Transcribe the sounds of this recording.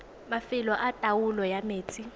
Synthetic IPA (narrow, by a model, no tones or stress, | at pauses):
mafilɔʔatʼawulɔjameːt͡sʰʼi